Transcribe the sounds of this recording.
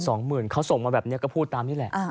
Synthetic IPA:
sɔː˩˦ŋmɯː˨˩nkʰa˦˥wso˨˩ŋmaː˧bɛː˨˩pni˥ɐkɔː˥˩pʰuː˥˩t̪ːaː˧mniː˦˥˩lɛ˨˩ʔ

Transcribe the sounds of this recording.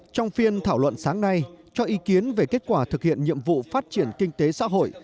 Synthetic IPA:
t͡ɕɔ˧wŋ͡mfi˧ənt̪ʰaː˧˩wlwə̰˧˨nsaː˨˦ŋna˧jt͡ɕɔ˧ʔi˨˦ki˨˦ənve˨˩ke˦˥t̚kwaː˧˩t̪ʰɨ˨˩k̚hḭ˧˨ənɲḭ˧˨əmvṵ˧˨faː˦˥t̚t͡ɕi˧˩ənkï˧ŋ̟t̪e˨˦sa̰ː˧˥ɦo̰˧˨j

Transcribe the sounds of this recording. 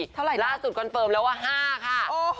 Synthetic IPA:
t̪ʰa˥˩wɾa˨˩jlaː˥˩su˨˩t̪̚kʰɔ˧nfɤː˧mlɛː˦˥waː˥˩ɦaː˥˩kʰa˥˩˧

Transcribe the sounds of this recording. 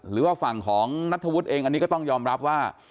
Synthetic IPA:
ɾɯː˩˦waː˥˩fa˨˩ŋkʰɔː˩˦ŋna˦˥t̪ʰːa˧wu˦˥t̪̚ʔeː˧ŋʔa˧niː˦˥kɔː˥˩t̪ɔ˥˩ŋjɔː˧mɾa˦˥p̚waː˥˩

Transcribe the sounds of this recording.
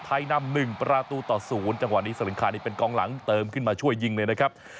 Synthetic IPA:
t̪ʰa˧jna˧mnɯ˨˩ŋpɾaː˧t̪uː˧t̪ɔː˨˩suː˩˦nt͡ɕa˧ŋwa˨˩niː˦˥sa˧˦lɯ˩˦ŋkʰaː˨˦niː˥˩pe˧nkɔː˧ŋla̰˩˦ŋt̪ɤː˧mkʰɯ˥˩nmaː˧t͡ɕʰu˥˩əjːi˧ŋlɤː˧jna˦˥kʰa˦˥p̚

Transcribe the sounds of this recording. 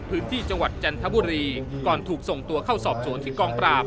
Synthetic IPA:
pʰɯː˦˥nt̪ʰiː˥˩t͡ɕa˧ŋwa˨˩t̪̚t͡ɕa˧nt̪ʰa˦˥buː˧ɾiː˧kɔː˨˩nt̪ʰuː˨˩k̚so˨˩ŋt̪u˧ɐkʰa˥˩wsɔː˨˩p̚su˨˩˦ənt̪ʰiː˥˩kɔː˧ŋpɾaː˨˩p̚

